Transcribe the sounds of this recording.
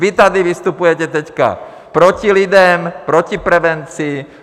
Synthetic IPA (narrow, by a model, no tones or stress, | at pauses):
ʋit̪ad̪iʋist̪upujɛcɛt̪ɛcka̰ | pɾɔcilid̪ɛmpɾɔcipɾɛʋɛnt͡siː